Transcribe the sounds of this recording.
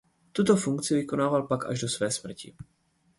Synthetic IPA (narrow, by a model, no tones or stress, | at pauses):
t̪ut̪ofuŋkt͡sɪvikonaːvalpaka̰ʒdosvɛːsmr̩cḭ